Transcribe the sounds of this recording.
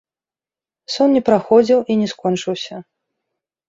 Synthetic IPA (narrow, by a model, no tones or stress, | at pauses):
sɔnnʲɛpɾaxɔd͡zʲiwʔinʲɛskɔnt͡ʂɨwsʲɐ